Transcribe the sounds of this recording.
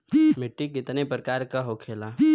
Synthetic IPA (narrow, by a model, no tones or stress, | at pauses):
mɪʈːikɪt̪nepɾəkaːɾkaɦoːkʰeːlaː